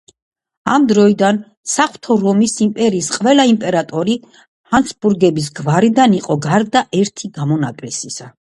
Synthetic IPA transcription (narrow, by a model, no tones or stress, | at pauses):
amd̪ɾɔid̪an | saχwt̪ʰɔɾɔmisimpʼɛɾiːsqʼvɛlaimpʼɛɾat̪ʼɔɾi | hant̪sʰbuɾɡɛbis̬ɡvaɾid̪aniqʼɔɡaɾd̪aʔɛɾt̪ʰiɡamɔnapʼlisisa